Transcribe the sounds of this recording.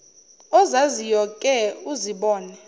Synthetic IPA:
ɔzazijɔkʼɛuziɓɔːnɛ

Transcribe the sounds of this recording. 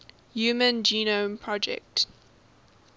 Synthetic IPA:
juːmə̃nd͡ʒiːnõmpʰɹɔd͡ʒɛ̰k̚t

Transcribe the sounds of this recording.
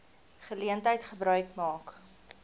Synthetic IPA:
χəliəntɦəjtχəbɾœɥkmɑːk

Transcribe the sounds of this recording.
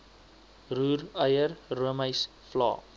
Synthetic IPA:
ruːrəjərruəməjs | flɑ̰ː

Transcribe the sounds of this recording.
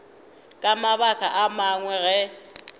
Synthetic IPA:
kʼamaβakʰʼaʔamaŋwɛɣɛ

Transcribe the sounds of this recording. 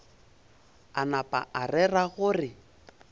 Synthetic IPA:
anapʼa̰ʔarɛraɣʊrɪ

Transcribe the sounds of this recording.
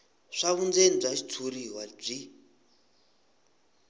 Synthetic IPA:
ʂaβund͡zenb͡ʐat͡ʃi̥t͡sʰuɾiɦwab͡ʐi

